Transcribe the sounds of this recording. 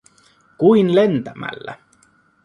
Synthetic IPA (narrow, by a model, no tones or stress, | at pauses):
kuinlent̪æmæ̰lːæ̰